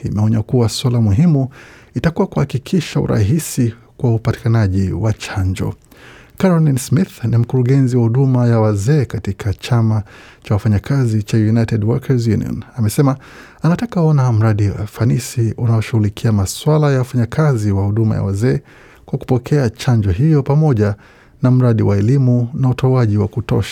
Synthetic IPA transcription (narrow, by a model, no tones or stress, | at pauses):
imɛɔɲakuwaswalamuɦimu | itakuwakuhakikʰiʃaṵɾʔa̰ɦisi | kwaupati̥kanaʄiwat͡ʃaɲd͡ʒɔ̰ | kaɾɔlinsmiθnim̩kuɾuɠɛnziwahuɗumajawazɛːkatikʰat͡ʃama | t͡ʃawafaɲakazit͡ʃajunajtɛdwɔkʰɛzjuniɔ̰namɛsɛma | anatakaɔnam̩ɾaɗia̰fanisiunaɔʃuɣulikʰiamaswalajawafaɲakʰaziwahuɗuma̰ja̰wazɛː | kwaku̥pɔkʰɛat͡ʃaɲd͡ʒɔɦijɔpamɔʄa | nam̩ɾaɗiwaɛlimunautʰɔaʄiwakutɔ̰ʃḁ